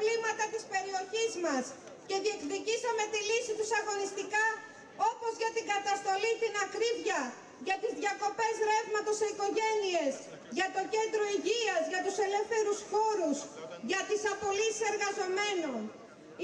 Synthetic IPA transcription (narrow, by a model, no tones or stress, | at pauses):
limɐt̪ɐt̪ispe̞ɾio̞çizmɐs | ce̞ðie̞kðicisɐme̞t̪ilisit̪usɐɣo̞nist̪ikɐ | o̞po̞zʝɐt̪iŋɡɐt̪ɐst̪o̞lit̪inɐkɾivʝɐ | ʝɐt̪izðʝɐko̞pe̞zðɾe̞vmɐt̪o̞seiko̞ʝe̞nie̞z | ʝɐt̪o̞ce̞nd̪ɾo̞iʝiɐzʝɐt̪use̞le̞fθe̞ɾusxo̞ɾusʝɐt̪isɐpo̞lisi̥se̞ɾɣɐzo̞me̞no̞n